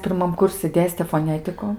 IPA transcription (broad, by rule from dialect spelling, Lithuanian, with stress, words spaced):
pʲɪrˈmɐm ˈkʊrʲsʲɪ ˈdʲeːsʲtʲeː foːˈnʲæːtʲɪkʊ